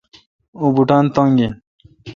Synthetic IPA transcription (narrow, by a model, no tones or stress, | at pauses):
obuʈaːnt̪ãŋɡe